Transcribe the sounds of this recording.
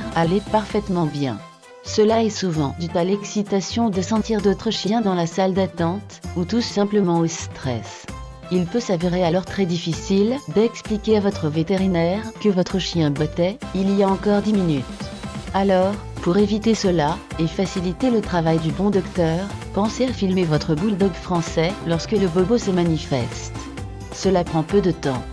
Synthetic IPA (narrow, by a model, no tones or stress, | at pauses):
ʁalepaʁfɛt̪mɑ̃bjɛ̰̃ | səlaɛsuvɑ̰̃d̪yt̪alɛksit̪asjɔ̃d̪əsɑ̃t̪iʁd̪ot̪χəʃjɛ̃d̪ɑ̃lasald̪at̪ɑ̃t̪ut̪usːɛ̃pləmɑ̃ost̪χɛ̰s | ilpøsaveʁealɔʁt̪χɛd̪ifisild̪ɛksplikʲeavɔt̪χəvet̪eʁinɛʁkəvɔt̪χəʃjɛ̃bɔt̪ɛiliaɑ̃kɔʁd̪iminyt̪alɔʁ | puʁevit̪esəlaefasilit̪elət̪χavajd̪ybɔ̃d̪ɔkt̪œːʁpɑ̃seafilmevɔt̪χəbuld̪ɔɡfχɑ̃sɛlɔʁskələbɔbosəmanifɛ̰st̪ | səlapχɑ̃pød̪ət̪ɑ̰̃